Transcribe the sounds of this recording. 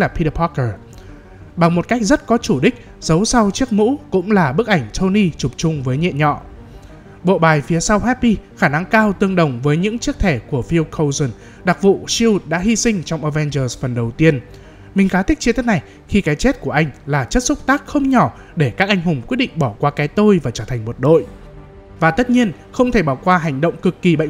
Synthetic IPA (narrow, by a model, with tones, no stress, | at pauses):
laː˨˩pʰi˧ɗə˧pʰɔ˦˥kəː˨˩ | ɓa˨˩ŋmo˨˩t̚ka˦˥k̚zə˦˥t̚kɔ˨˦t͡ɕu˧˩ɗï˦˥k̟̚ | z̥ə˨˦wsa˧wt͡ɕi˦˥ək̚mṵ˧˥kʊ̰˧˥ŋ͡mlaː˨˩ɓɨ˦˥ək̚ʔa˧˩jŋ̟t͡ɕʰo˧ni˧t͡ɕʊ˨˩p̚t͡ɕʊ˧ŋ͡mvəː˨˦jɲḭ˧˨ənɲɔ̰˧˨ | ɓo̰˧˨ɓaː˨˩jfi˨˦əsa˧wɦɛ˦˥t̚ːi˧xaː˧˩na˧ŋkaː˧wt̪ɨ˧əŋɗə˨˩wŋ͡mvəː˨˦jɲɨ̰˧˥ŋt͡ɕi˦˥ək̚t̪ʰe˧˩ku˧˩əfi˧wkʰə˧wzə˨˩n | ɗa˨˩k̚vṵ˧˨si˧wu˨˩t̚ɗa̰ː˧˥ɦi˧sï˧ŋ̟t͡ɕɔ˧wŋ͡mʔəː˧˩vɛ˧nzəː˧zfə˨˩nɗə˨˩wt̪i˧ən | mï˨˩ŋ̟xaː˨˦t̪ʰi˦˥t͡ɕi˧t̪i˦˥na˨˩j | xi˧kaː˨˦jt͡ɕe˦˥t̚ku˧˩əʔa˧jŋ̟laː˨˩t͡ɕə˦˥t̚sʊ˦˥p̚t̪aː˦˥k̚xə˧wŋ͡mɲɔ˧˩ | ɗe˧˩kaː˦˥k̚ʔa˧jŋ̟ɦʊ˨˩ŋ͡mkwi˦˥t̚ɗḭ˧˨ŋ̟ɓɔ˧˩kwaː˧kaː˨˦jt̪o˧jvaː˨˩t͡ɕəː˧˩t̪ʰjŋ̟mo˨˩t̚ɗo̰˧˨j | vaː˨˩t̪ə˦˥t̚ɲi˧ən | xə˧wŋ͡mt̪ʰe˧˩ɓaː˧˩wkwaː˧ɦa˨˩jŋ̟ɗə̰˧˨wŋ͡mkɨ˨˩kːi˨˩ɓə̰˧˨